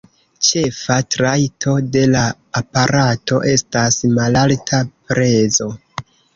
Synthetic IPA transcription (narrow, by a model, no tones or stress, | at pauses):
t͡ʃe̞fatɾajtʰo̞de̞laː | paɾato̞̰ʔe̞stasmalaltʰapɾʔe̞zo̞